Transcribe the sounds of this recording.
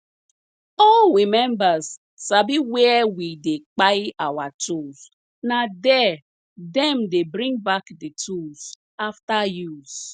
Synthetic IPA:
oɾimɛ̃mbazː | abiwɛwidek͡paɪawatʰuz | nadɛ | dɛ̃mdebɾĩŋbakditʰulz̥ | aftajuz

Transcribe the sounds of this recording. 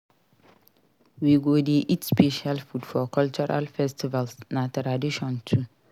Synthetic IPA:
wiɡodiʔitspʰeʃialfudfɔkʰɔlt͡ʃɔɾa̰lfɛstʰivalsnãtʰɾadiʃɔ̃ntʰu

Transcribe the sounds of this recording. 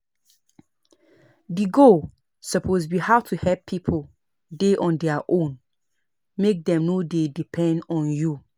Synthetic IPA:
diɡo | sɔpʰosbihaʊtʰuhɛpʰːipʰo | deʔɔ̃ndɛaʔõn | mek̚dɛ̃mnodedipʰɛ̃ndɔ̃nju

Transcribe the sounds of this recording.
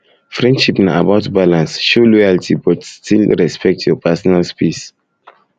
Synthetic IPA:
fɹɛ̃ndʃipnaabaʊtbalãnsʃolɔjaltʰibɔtstʰilɹɛspɛk̚tjɔpʰasɔnalspis

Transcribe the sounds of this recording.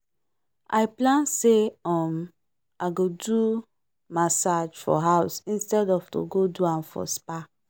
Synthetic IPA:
a̰ɪplãnseɔm | aɡodu | masad͡ʒfɔ̰ɦaʊsĩnstɛdɔvto̰ɡoduãmfɔ̰spa

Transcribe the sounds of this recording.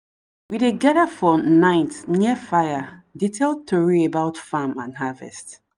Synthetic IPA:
wideɡɛdafɔnãɪtnjɛfaɪjaditʰeld̚tʰoɹiebaʊtfamãnɦavɛ̰st

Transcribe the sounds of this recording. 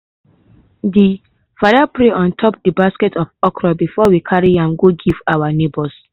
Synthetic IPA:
di | fadapɹeʔɔ̃ntʰɔp̚dibaskɛtʰɔfɔkʰɹɔbifɔwikʰaɹiãŋɡoɡivawanebɔs

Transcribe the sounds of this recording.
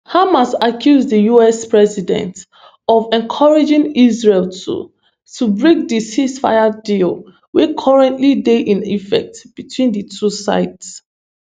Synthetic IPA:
hamasakʰjuzdəjuɛspɹɛsidɛ̰̃nt | ɔvɛ̃nkʰɔɹed͡ʒĩŋizɹeltʰṵ | tʰubɹĩk̚disisfa̰jadil | wekʰɔɹɛ̃ntlideʔĩnifɛ̰k̚tb̥itwĩndətʰusa̰ɪts

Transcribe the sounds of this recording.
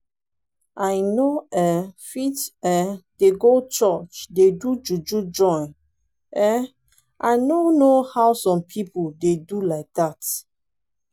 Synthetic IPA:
ajnoɛfitɛd̥eɡot͡ʃɔt͡ʃdedud͡ʒud͡ʒud͡ʒɔ̃ɪ̃n | ɛ | ʔajnonohawsɔ̃mpʰipudedulaɪk̚dat

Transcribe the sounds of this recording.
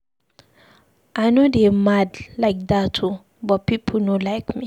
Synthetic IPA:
ʔajnodemadlaɪk̚datʰu | bɔt̚pipʰlnolaɪkmi

